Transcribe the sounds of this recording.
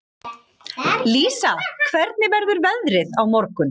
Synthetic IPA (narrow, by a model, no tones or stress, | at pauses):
liːsakʰvɛɾt̪̚nɪvɛɾðʏɾvɛðɾɪðawmɔɾkʏn